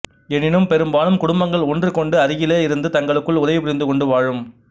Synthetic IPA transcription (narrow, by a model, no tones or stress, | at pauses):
ɛnɪnɯmpɛɾɯmbaːnɯmkʊɽʊmbɐŋɡɐɭɔndrɯkɔɳɖɯɐɾɪjɪleːɪɾɯnd̪ɯt̪ɐŋɡɐɭɯkːɯɭʊðɐɪjpʊɾɪnd̪ɯkɔɳɖɯʋaːɻɯm